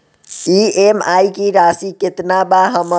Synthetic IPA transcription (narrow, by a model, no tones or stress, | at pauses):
iemajkiɾasiket̪nabaɦəmə